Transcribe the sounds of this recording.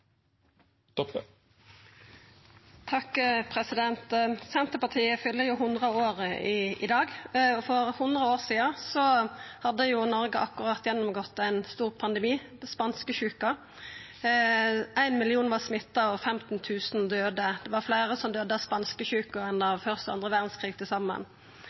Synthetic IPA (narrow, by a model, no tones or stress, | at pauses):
t̪ʰɑkpʰʁɛsɪd̪ɛnt̪sɛnt̪əpɑt̪ʰiːəfʏlːəjʊɦʊnd̪ʁəoːʁəɪɪ̰d̪ɑːɡɔfɔʁhʊnd̪ʁəoːʁsiːɑsɔhɑd̪ːəjʊnɔɾɡəʔɑkːʊʁɑt̪ːjɛnːɔmɡɔt̪ːæɪnst̪uːʁpʰɑnd̪ɛmiː | spɑnskəçʉːkɑ | ʔæɪnmɪlɪuːnʋɑʁsmɪt̪ːɑɔfɛmt̪n̩t̪ʰʉːsnd̪øːd̪əd̪̥ɛʋɑɾflæɪɾəsɔmd̪øːd̪əɑspɑnskəçʉːkəɛnɑʋfœʁst̪ɑ̰nd̪ʁəʋæʁd̪n̩skʰʁiːɡ̚t̪ʰɪlsɑmːə̰n